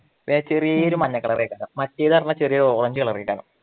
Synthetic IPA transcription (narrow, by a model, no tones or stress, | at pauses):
ʋit͡ɕerijɐoɾumɐɲːɐkːɐɭɐrḭjɐkʲːaːnɐmɐtːejðɐrɐnːɐt͡ɕerijɐɾuoːɽɐɲd͡ʑɨɣɐɭɐrijɐkʲːaːnɐ̰